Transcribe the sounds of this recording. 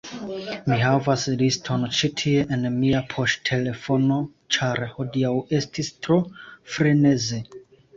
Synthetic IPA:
miɦavaslistʰo̞nt͡ʃitʰie̞ʔenmiapʰo̞ʃtʰe̞le̞fo̞no̞ | t͡ʃaɾho̞diawe̞stistɾo̞fɾe̞ne̞ze̞

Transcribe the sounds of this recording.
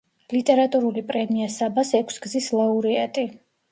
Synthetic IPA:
lit̪ʼɛɾat̪ʼuɾulipʼɾɛmiasabasɛkʷʰsɡzislauɾiat̪ʼi

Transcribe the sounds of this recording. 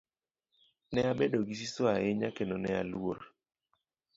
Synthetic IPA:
nɛabedoɡis̬isoaeɲakenonɛa̰lwoɾ

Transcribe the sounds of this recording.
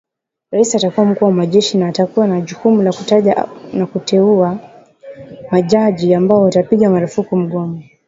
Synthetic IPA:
ɾaisiatakuwam̩kuːwamaʄɛʃinaːtakuwanaʄukumulakutaʄnakutʰɛua | maʄaʄiambaɔwatapiɠamaɾufukum̩ɠɔma

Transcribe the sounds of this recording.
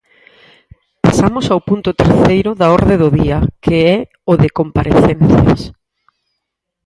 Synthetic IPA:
pa̰samʊsawpunt̪ʊt̪eɾθejɾʊðaɔɾðeðʊðiɐkeɛ | ʊðɪkompaɾʔḛθɛnθjɐ̰s

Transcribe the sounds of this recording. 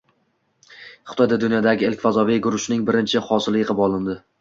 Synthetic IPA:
χɪ̥t̪ʰɒjd̪ad̪ʊnjɒd̪aɡʲɪɪlkʲfazɒvijɡʊɾʊʃnɪŋbɪɾɪnt͡ʃʰɪhɒsɪlɪjɨqɨpɒlˠɪnd̪ɪ

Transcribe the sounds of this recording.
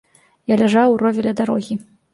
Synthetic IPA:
jalʲaʐawrɔvʲɛlʲɐd̪aɾɔɣʲi

